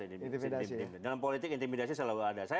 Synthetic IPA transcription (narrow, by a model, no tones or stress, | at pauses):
imdalampolit̪ɪkint̪imidas̬isəlauadasaj